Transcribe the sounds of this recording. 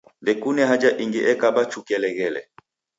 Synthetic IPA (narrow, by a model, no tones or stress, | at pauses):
vɛkunɛɦad͡ʒaʔiŋɡiʔɛkabat͡ʃukɛlɛɣɛlɛ̰